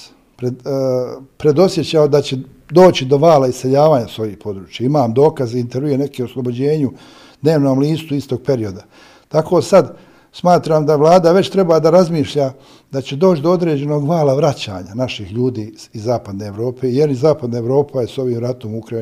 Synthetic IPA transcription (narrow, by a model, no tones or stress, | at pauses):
pɾe | pɾe̞d̪o̞sje̞t͡ɕaod̪at͡ɕe̞ | d̪o̞ːt͡ʃid̪o̞ʋaːlaiseʎaːʋaːɲaso̞jihpo̞d̪ɾuːt͡ʃjaimaːmd̪o̞ːkaziint̪eɾʋijene̞keoslˠobo̞d͡ʑe̞ːɲu | d̪̥ne̞ːʋno̞ːmliːst̪uist̪o̞ɡ̚pe̞ɾio̞d̪a | t̪akʰo̞ːsad̪ | smaːt̪ɾaːmd̪aʋlˠaːd̪aʋe̞t͡ɕt̪ɾe̞bad̪aɾazmiːʃʎa | d̪at͡ɕe̞d̪o̞ːt͡ʃd̪o̞o̞d̪ɾe̞ːd͡ʑe̞no̞ɡʋaːlaʋɾat͡ɕa̰ːɲanaʃihʎuːd̪iːizːaːpad̪neːeʋɾo̞ːpeːjeɾizaːpad̪naeʋɾo̞ːpʰajeso̞ʋiːmɾat̪omukɾa